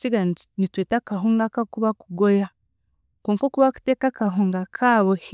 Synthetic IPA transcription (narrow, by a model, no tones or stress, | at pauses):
t͡siɡanitweːtakaɦuːŋɡakakuβakuɡoja | koːŋkokuβaku̥teːkakaɦuːŋɡakʰaβoh